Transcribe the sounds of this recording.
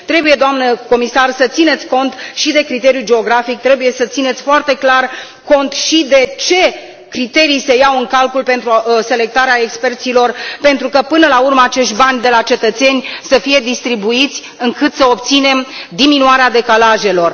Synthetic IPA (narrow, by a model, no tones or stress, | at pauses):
t̪ɾe̞buje̞d̪oamnəko̞misarsət̪sine̞t̪sʲko̞nt̪ʃid̪e̞kɾit̪e̞ɾijud͡ʒe̞o̞ɡɾafik̚t̪ɾe̞buje̞sət̪sine̞t̪sʲfoart̪e̞klar | ko̞nt̪ʃid̪e̞t͡ʃe̞ | kɾit̪e̞ɾijse̞jawɨŋkalkulpe̞nt̪ɾuse̞le̞k̚t̪aɾeaekspe̞rt̪silo̞rpe̞nt̪ɾukəpɨnəlaurməat͡ʃe̞ʃt̪ʲbanʲd̪e̞lat͡ʃe̞t̪ət̪se̞nʲsəfije̞d̪ist̪ɾibuit̪sʲ | ɨŋkɨt̪səo̞pt̪sine̞md̪iminuaɾead̪e̞kalaʒelo̞r